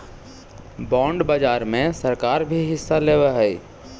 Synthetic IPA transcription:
bɔ̃ːɳɖbəd͡ʒaːɾmẽsəɾkaːɾbʱiɦɪsːaleːʋɛɦɛj

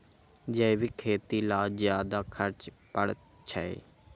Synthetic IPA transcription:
d͡ʒəɪʋiːkʰeːt̪iːlaːzjaːd̪aːkʰəɾt͡ʃpəɽ | t͡ʃʰəḛː

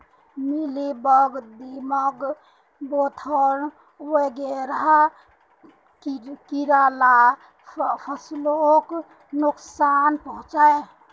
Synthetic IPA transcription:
milibəɡd̪iməɡ | bot̪ʰəɾ | weɡeɾəɦa | kiɾala | pʰəslok | nuksanpəɦũt͡ʃae

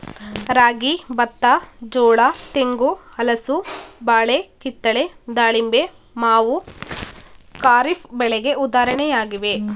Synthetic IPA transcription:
ɾaːɡibɐt̪ːad͡ʒɔːɭat̪eŋɡuɐlɐsubaːɭekit̪ːɐɭed̪aːɭimbe | maːʋu | kaːɾipbɛɭɛɡe̞ʔud̪aːɾɐɳɛjaːɡiʋe̞

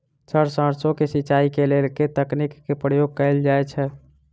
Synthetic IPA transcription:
səɾsə̃ɾsõkesiːt͡ʃaikelelket̪əknikːepɾəjoɡ̚kəɪld͡ʒajt͡ʃʰɛ

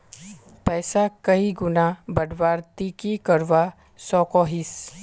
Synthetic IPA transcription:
pɛːsakɐiɡʊnabɐɖʋaːɾt̪ikikɐɾʋa | sɔːkɔːɦɪs

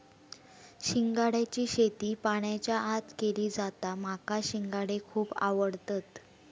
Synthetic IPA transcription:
ɕiŋɡaɽjat͡ɕiːɕet̪iːpaɽ̃jat͡ɕjaʔat̪keliːd͡zat̪am̤akaɕiŋɡaɽekʰuːpa̰ʋəɽt̪at̪

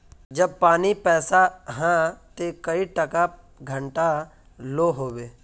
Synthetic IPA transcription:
d͡ʒɐb̚paːnipɛːsaɦãt̪ekəiʈɐka | ɡʱə̃ɳʈa | loːɦoːbeː

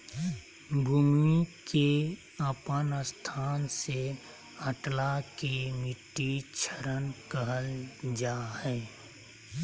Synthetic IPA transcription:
bʱuːmike | əpənəst̪ʰaːnse | əʈlakemɪʈːit͡ʃʰəɾənkəɦəld͡ʒaːhɛː

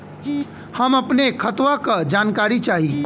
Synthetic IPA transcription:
həməpnekʰət̪wakəd͡ʒaːnkaɾit͡ʃaɦi

